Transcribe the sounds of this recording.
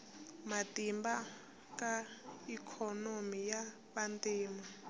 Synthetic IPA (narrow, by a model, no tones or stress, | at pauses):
matimba | kaikʰɔnomija | βantiːma